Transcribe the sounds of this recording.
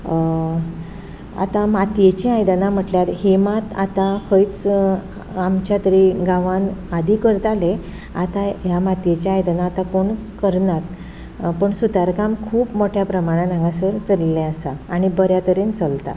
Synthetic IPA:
a̰t̪amat̪jet͡ɕeajd̪ənam̤əʈljat̪ɦemat̪a̰t̪afəjt͡s | amt͡ɕjat̪əɾiɡaʋanad̪ikəɾt̪ale | a̰t̪ajamat̪jet͡ɕaajd̪ənaːt̪akoɳ | kəɾnat̪ | pəɳsut̪aɾkamkʰuːpmoʈʰjapɾəmaɽ̃ãnãŋɡãsəɾt͡səlːɛ̃əsaːɽ̃ibəɾjat̪əɾent͡səlt̪a̰

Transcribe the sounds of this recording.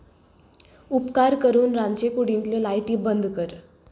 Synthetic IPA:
upkaɾkəɾuːnɾãɲt͡ɕekuɽĩŋklelajʈiːbənd̪kəɾ

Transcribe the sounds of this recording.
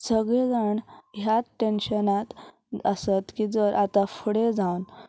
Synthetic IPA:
səɡɭed͡zaɳɦjaʈenɕənat̪ | əsət̪kid͡zəɾʔat̪afəɽed͡zawn

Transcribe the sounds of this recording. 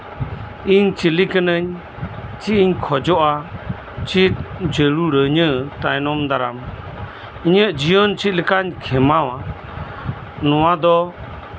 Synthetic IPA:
iɲt͡ʃilikənəɲ | t͡ʃiiɲkʰɔd͡ʒɔʔa | t͡ʃit̪̚d͡ʒəɾuɾəɲət̪ajnɔmd̪aɾam | iɲəʔd͡ʒijɔnt͡ʃit̪̚ləkaɲkʰɛmawa | nɔwad̪ɔ

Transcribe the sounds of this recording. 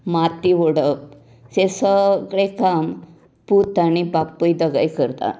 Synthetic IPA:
mat̪iʋɔɽəp̚ | sesəɡɭekam | put̪añibapːəjd̪əɡa̰jkəɾt̪a̰

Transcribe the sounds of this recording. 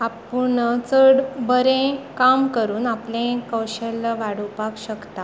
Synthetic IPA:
apuɳt͡səɽbəɾẽkamkəɾuːnaplẽkəwɕəlːaʋaɽ̤upakɕəkt̪a

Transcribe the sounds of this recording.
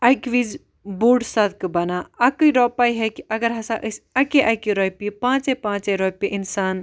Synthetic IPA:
ɐjkʋid͡ʒ | buːɖsɐd̪kbɐnaɐkɨjɾɔːpaːjɦɛkiɐɡɐɾɦɐsaʔəsɐkeʔɐkiɾoːjpipãːt͡ʃepãːt͡ʃeɾoːjpiʔinsaːn

